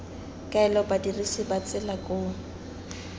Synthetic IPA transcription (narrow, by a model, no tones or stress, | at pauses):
kʼaɛlɔbadirisɪbat͡sʼɪlakʼʊ